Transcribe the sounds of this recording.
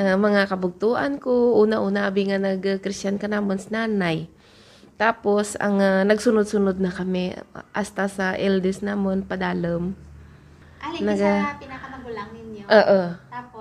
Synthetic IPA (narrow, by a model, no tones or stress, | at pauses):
amɐŋakɐbʊɡ̚t̪uːʔɐnkoʔuːnɐʔuːnɐʔɐbiŋanɐɡkɾɪst͡ʃankɐnaːmonsɪnaːnaj | t̪aːpo̞sɐ̰ŋanɐɡsʊnod̪̚sʊnod̪̚nɐkɐmɛʔast̪asɐʔɛld̪ɛsnaːmonpɐd̪aːlɐm | nɐɡpinaɐmɐɡʊlaŋnɪnoʔoːʔoa